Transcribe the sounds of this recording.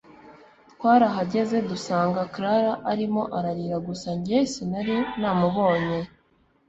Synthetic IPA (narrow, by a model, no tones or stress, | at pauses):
twaːɾaɦaɟe̞ze̞dusaːŋɡakɾaɾaʔːɾimo̞ʔaɾaɾiːɾaɡusaɲɟesinaɾinaːmuβo̞ːɲe